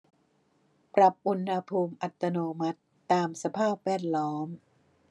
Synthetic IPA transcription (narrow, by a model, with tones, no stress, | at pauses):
pɾa˨˩p̚ʔu˧nha˧pʰuː˧mʔa˨˩t̪ːa˧noː˧ma˦˥t̪ːaː˧msa˧pʰaː˥˩p̚wɛː˥˩t̪̚lɔː˦˥m